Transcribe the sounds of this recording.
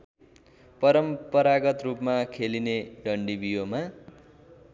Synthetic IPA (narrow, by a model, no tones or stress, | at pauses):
pʌɾʌmpʌɾaɡʌt̪rupmakʰelineɖʌɳɖibijoma